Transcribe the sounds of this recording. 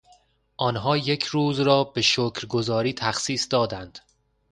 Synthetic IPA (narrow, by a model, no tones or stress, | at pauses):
ʔɒːnɦɒːje̞cʰɾuːzɾɒːbe̞ʃoːcʰɾɡo̞zɒːɾiːt̪ʰæxsiːsd̪ɒːd̪ænd̪̥